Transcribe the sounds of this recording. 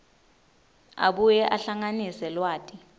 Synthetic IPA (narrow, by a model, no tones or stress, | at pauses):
a̰ɓujɛʔaɬaŋanisɛlwaːtʼi